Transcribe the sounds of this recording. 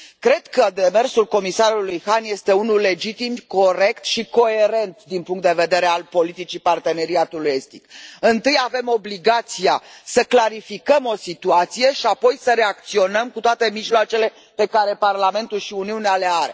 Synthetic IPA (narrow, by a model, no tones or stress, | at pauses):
kɾe̞d̪kəd̪eme̞rsulko̞misaɾulːujhanje̞st̪e̞unulːe̞d͡ʒit̪imko̞ɾe̞kt̪ʃiko̞e̞ɾe̞nt̪d̪inpuŋkt̪d̪e̞ve̞d̪e̞ɾe̞alpo̞lit̪it͡ʃipart̪e̞ne̞ɾiat̪uluje̞st̪ikɨnt̪ɨjave̞mo̞bliɡat̪sijasəklaɾifikəmo̞sit̪uat̪sije̞ʃiapo̞jsəɾe̞ak̚t̪sio̞nəmkut̪oat̪e̞miʒloat͡ʃe̞le̞ | pe̞kaɾe̞parlame̞nt̪ulʃiuniuneale̞aɾe̞